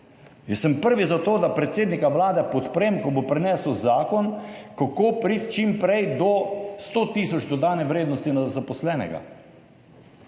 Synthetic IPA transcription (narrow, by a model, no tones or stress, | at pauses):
jɛsəmpəɾʋizat̪oːd̪apɾɛt̪seːd̪nikaʋlaːd̪ɛpɔt̪pɾeːmkɔbopɾɛnɛːsəwzaːkɔnkakopɾit̪t͡ʃimpɾɛjd̪ɔst̪oːt̪iːsɔt͡ʃd̪ɔd̪aːnɛʋɾeːd̪nɔst̪inazapɔslɛːnɛ̰ɡa̰